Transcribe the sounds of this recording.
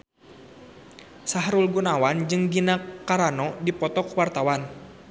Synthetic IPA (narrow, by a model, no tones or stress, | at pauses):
saɦɾulɡunawand͡ʒɨŋdinakaɾanɔdipɔt̪ɔkwart̪awan